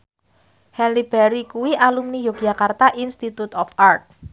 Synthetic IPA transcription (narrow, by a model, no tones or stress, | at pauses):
hɛnlib̥ɛɾikuwiʔalumnijoɡ̥d͡ʒʒ̥a̤kart̪aʔinst̪it̪ut̪ɔfart̪̚